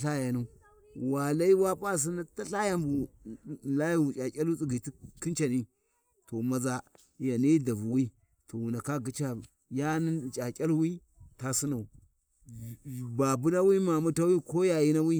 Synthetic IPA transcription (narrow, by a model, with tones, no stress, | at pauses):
ɬa˦ja˨nu˦ | wa˨la˦i˦wa˦pa˦s̬i˦na˦ta˦ɬa˦ja˦mbu˨ | la˦ji˦wu˨t͡ʃʼa˨kʲʼa˦lu˦t͡si˦ɡi˨ti˦ki˦nt͡ʃa˨ni˦ | to˨ma˨za˨ | ja˨ni˦da˨vu˨wi˦ | tʰo˨wu˨na˨ka˦ɡi˦t͡ʃa˨ | ja˦ni˦˨t͡ʃʼa˨kʲʼa˦lwi˦ | ta˨si˦na˨u˨ | ba˨bu˦na˦wi˦ma˨mu˦ta˦wi˦ko˦ja˨ji˦na˦wi˦